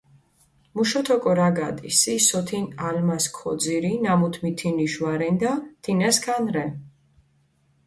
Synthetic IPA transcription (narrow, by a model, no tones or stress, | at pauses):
muʃɔt̪ʰɔkʼɔɾaɡad̪ʼisisɔt̪ʰinalmaskʰɔ̰d̪ziɾinamut̪ʰmit̪ʰiniʃwaɾɛnd̪at̪ʰinɛskʰanɾɛ